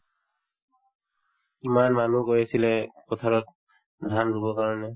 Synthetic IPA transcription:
imanmanukojasilɛkɔt̪ʰaɹɔt̚ | dʱanɹubɔkaɹɔnɛ

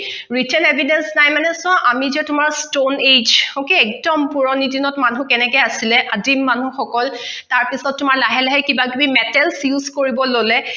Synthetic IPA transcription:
ɹitɛnebʱidɛnsnajmanɛsʊɔ̃ʔamizɛtʊmaɹstoned͡ʒokiɛk̚dɔmpuɹɔnidinɔtmanũkɛnɛkɛjasilɛʔadimːanuxɔkɔltaɹpisɔtːʊmaɹlaɦɛlɛɦɛkibakibimɛtɛlsjuzkoɹibɔlolɛ

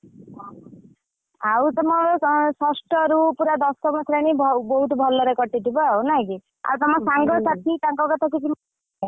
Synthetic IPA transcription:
awt̪ɔmɔsɔsʈɔɾupuɾad̪ɔstɔmɔt̪ʰɾaɽ̃ibbɔɦut̪ɔbʱɔlɔɾekɔʈit̪ʰibɔawnaɦĩki | a̰wt̪ɔmɔsaŋɡɔsat̪ʰit̪aŋkɔkɔt̪ʰakikim

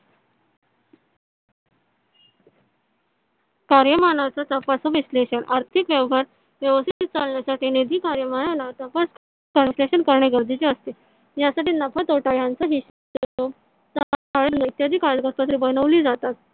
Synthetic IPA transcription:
kaɾjəmanat͡sat̪əpasəʋisleɕənaɾt̪ʰikʋjəʋɦaɾ | ʋjəʋəst̪it̪iːt̪̚t͡salɳjasaʈiːned̪ʱiːkaɾjəmanalat̪əpas | kəɾsleɕənkəɾɳeɡəɾd̪ʱit͡ɕeəst̪e | jasaʈiːnəpʰat̪oʈaɭjant͡saɦiɕat̪ət̪o | t̪aaɭeləit̪jad̪ʱiːkaɭɖɡəɾpat̪̬ɾiːbənəʋliːd͡zat̪at̪

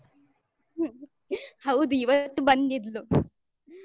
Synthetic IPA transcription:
hɐwd̪uiʋɐt̪ːubɐnd̪id̪lu

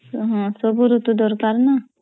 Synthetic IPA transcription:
ɦɔ̃sobuɾut̪ud̪ɔɾkaɾna

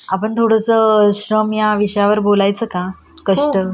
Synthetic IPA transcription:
apəɳt̪ʰoɽəsəɕɾəmjaʋiɕəjaʋəɾbolajt͡səːka | kəʂʈə

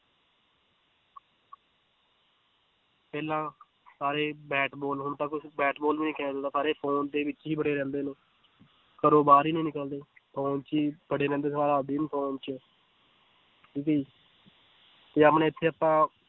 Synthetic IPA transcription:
pɛːlãː | saːɾeːbɛːʈbɔːlɦʊnt̪ãːkʊbɛːʈbɔːlʋiːniːkɛːnaːd̪od̪aːsaːɾeːpʰoːnd̪eːʋɪt͡ʃɦiːbəɽeːɾɛ̃ːnd̪eːneː | kəɾoːbaːɾiːnĩːnɪkəld̪eːpʰoːnt͡ʃiːbəɽeːɾɛ̃ːnd̪eːsaːɾaːd̪iːnpʰoːnt͡ʃə | ʈiːkəiː | t̪eːəpnẽːɪt̪ʰːeːəpãː

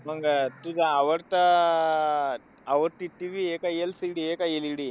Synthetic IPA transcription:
mɐŋɡɐt̪ud̪ɐːʋɐɾt̪ɐ | ɐʋɐɾt̪iʈiʋieːkɐjelsiɽieːkɐjeliɽi

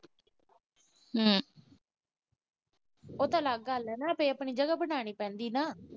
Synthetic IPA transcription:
ɦəː | oːt̪ãːlaːɡalɛːnaːəpẽːəpɳiːd͡ʒəɡaːbəñaːɽ̃iːpɛ̃ːnd̪iːnaː

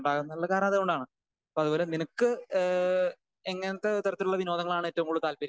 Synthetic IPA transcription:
ɳɖaːkunːɐɭːɐkaːɾɐmɐðɨkoɳɖaːɳɨ | ɐpoɐðubo̞ːleninɐkːɨ | eŋːɐnɐt̪ːet̪orɐt̪ːiluɭːɐʋino̞ːd̪ɐŋːɐɭaːɳetːɐʋɐŋkuːɽut̪aːlpɐɾ

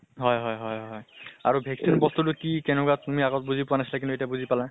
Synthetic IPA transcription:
ɦɔjɦɔjɦɔjɦɔja̰ɹubʱɛksinbɔstutʊkikɛnʊkatumiaɡɔt̚buzipʊanasilakintuetiabuzipala

